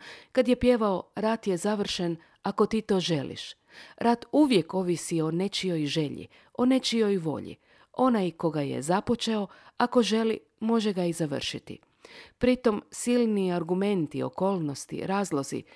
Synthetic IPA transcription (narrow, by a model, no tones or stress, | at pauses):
kad̪je̞pje̞ʋao̞ɾat̪je̞zaʋr̩ʃe̞n | ako̞t̪iːt̪o̞ːʒe̞lḭʃ | ɾat̪uʋje̞ko̞ʋisio̞ne̞t͡ʃijo̞jʒe̞ʎḭ | o̞ne̞t͡ʃio̞jʋo̞̰ʎḭ | o̞najko̞ɡaje̞̰zapo̞t͡ʃe̞o̞ako̞ʒe̞lḭ | mo̞ʒe̞ɡaizaʋr̩ʃit̪ḭ | pɾit̪o̞msilniaɾɡume̞nt̪ḭo̞̰ko̞ːlˠno̞st̪ḭɾaːzlˠo̞zḭ